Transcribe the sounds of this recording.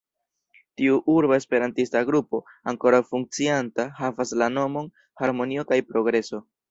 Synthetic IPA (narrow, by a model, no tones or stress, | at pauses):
tiuʔuɾbae̞spe̞ɾantistaɡɾupo̞ | aŋko̞ɾawfuŋk̚t͡siantahavaslano̞mo̞n | haɾmo̞nio̞kajpɾo̞ɡɾe̞so̞